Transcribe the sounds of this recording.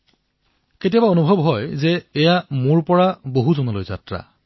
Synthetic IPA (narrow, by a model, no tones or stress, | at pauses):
ketijabaonubʱɔbɦɔjzɛːjamʊɹpɔɹaboɦuzɔnɔlojza̰tɹa̰